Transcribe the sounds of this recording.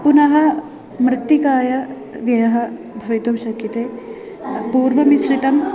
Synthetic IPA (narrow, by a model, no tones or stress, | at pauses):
punɐɦɐ̆ | mɾɪt̪ːikaːjɐ | ʋjɐjɐɦɐ | bʱɐʋit̪umʃɐkːit̪eː | puːɾʋɐmisɾit̪ɐm